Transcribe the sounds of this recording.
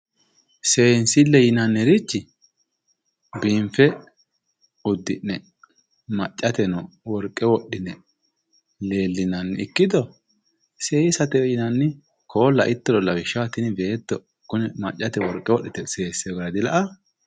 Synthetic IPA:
seːnsɪlːɛjɪnɐnːɛɾɪt͡ʃːɪ | biːmfɛ | ʊd̪ːɪnːɛ | mɐt͡ʃʼːɐt̪ɛnɔ | wɔɾkʼːɛwɔɗːɪnɛ | le̞ːlːɪnɐnːɪɪkːɪd̪ɔ | seːɪsɐt̪ɛjɪnɐnːɪ | kʰo̞ːlːɐʔɪt̪ːɔlɔlɐbɪʃːɐwɐt̪ːɪnɪbe̞ːt̪ːɔ | kʊnɛmɐt͡ʃʼːɐt̪ɛwɔɾkʼːɛwɔɗːɪt̪ɛse̞ːsːɛɡɐɾɐd̪ɪlɐʔɐ

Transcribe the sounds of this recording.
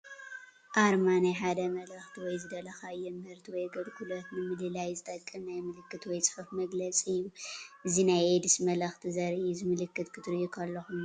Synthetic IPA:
ʔaɾmanajħad̪ɐmɐlɐxt̪ʰiwɔjzɨd̪ɐlɐxaɨjːɛmɨhɨɾt̪ʰiwɔjɡɐlhulɐt̪nɨmɨlɨlajzɨt̪ʼɐkʼːɨmnajmɨlɨkːɨt̪wɔjt͡sʼɨ̥ħɨfmɐɡlɐt͡sʼiɨjːuʔɨzinajed̪ismɐlɐxt̪ʰizɐɾʔizɨmɨlɨkːɨt̪kʰɨt̪ʰɨɾɨːukʰɐlːɐxum

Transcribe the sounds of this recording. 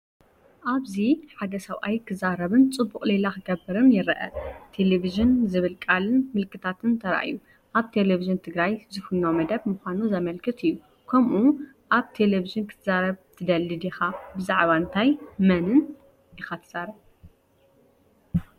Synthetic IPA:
ʔaβziħad̪ɐsɐwʔajkʰɨzaɾɐβɨnt͡sʼɨbːukʼlelakɨɡɐbːɨɾɨmjɪɾɐʔɐ̰t̪ʰe̞leβiʒɨnzɨβɨlkʼalɨnmɨlkʰɨt̪ʰat̪ʰɨnt̪ʰɐɾɐ̰ʔa̰ju | ʔaβt̪ʰe̞leviʒɨnt̪ʰɨɡɾajzɨfɨnomɐd̪ɐβmuxʷanuzɐmɐlkʰɨt̪ʰɨjːu | kʰɐmʔu | ʔaβt̪ʰe̞leviʒɨnkʰɨ̥t̪ʰɨzaɾɐβt̪ʰɨd̪ɐlːɨd̪ixabɨzaʕβaɨnt̪ʰajmɐnɨn | jɪxat̪ʰɨ̥z̥aɾɐβ

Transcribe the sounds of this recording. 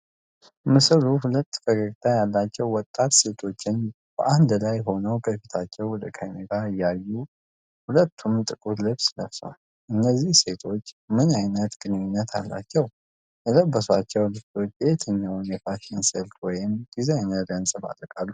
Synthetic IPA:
mɨsluhulət̪ːfəkəɡʼt̪ʰʼajalːat͡ʃːɛwwɔt̪ʼːat̪se̞t̪ʰo̞t͡ʃːɪn | b̥əʔand̪lajho̞nəwkʰəfit̪ʰat͡ʃːɛwwɔd̪əkʰajmeɡ̪aɨjːajːu | hulət̪ʰːumt̪ʼɨkʼuɾlɨβsnəfswa̰l | ʔɨnːəzːihse̞t̪ʰo̞t͡ʃːmɨnajnət̪ɡɨnɨɲːɪnːət̪ʰa̰lːa̰t͡ʃːɛw | jɛləbːəswat͡ʃːɛwlɨft̪ʰot͡ʃːet̪ʰɨɲːawnjɛfaʃensɛlt̪wɔjɪmɡ̥izeɲːəd̪ənsʼɨba̰ləkʼalːu

